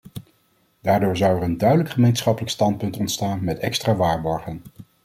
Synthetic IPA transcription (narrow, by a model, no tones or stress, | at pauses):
daːɹdʊːɹzɑwɛrəndœɥdələkχəmejnsχɑpələkstɑnt̚pɵntɔntstaːnmɛtɛkstraːʋaːɹbɔɹχən